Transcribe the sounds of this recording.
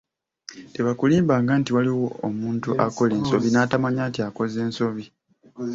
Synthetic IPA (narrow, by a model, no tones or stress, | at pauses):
te̞βakuliːmbaːŋɡaːntiwaliwo̞ːmuːntuʔako̞le̞ːnso̞βinaːtamaɲaːntiako̞ze̞ːnso̞βi